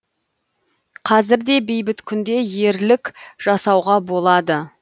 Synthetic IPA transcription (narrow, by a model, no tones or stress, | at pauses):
qʰɑzɪɾd̪e̞be̞jbɪt̪kʲʰʏnd̪e̞je̞ɾlɪkʲʒ̥ɑsɑwʁɑbo̞lˠɑd̪ə